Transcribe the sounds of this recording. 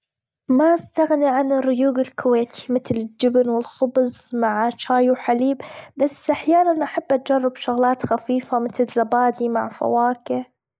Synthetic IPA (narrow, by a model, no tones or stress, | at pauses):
maʔast̪aɣniʕanɪrːʊjuːɡɪlkʰʊweːt̪ʰi̥mɪt̪lɪd͡ʒɪbnwɪlxʊbzˤmaʕt͡ʃaːjwħaliːbbasːʔaħjaːnanʔaħabːʔat̪̚d͡ʒɑrˤːɪbʃʊɣlaːt̪xafiːfamɪt̪lzabaːd̪imaʕfa̰waːkɪ